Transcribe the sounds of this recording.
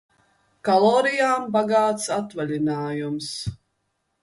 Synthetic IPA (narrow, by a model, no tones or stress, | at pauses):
kalˠɔːɾijaːmbaɡaːt̪sat̪valʲinaːjums